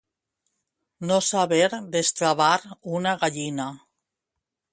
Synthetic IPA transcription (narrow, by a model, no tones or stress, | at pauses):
nosaβeɾðest̪ɾaβaɾunaɣaʎina